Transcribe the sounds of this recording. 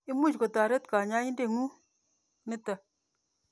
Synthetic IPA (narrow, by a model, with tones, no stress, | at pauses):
i˦mu˦˨t͡ʃko˨ta˨ɾe˦tka˨ɲa˦ɲi˦n˦de˦˨ŋu˦ | ni˦tə˨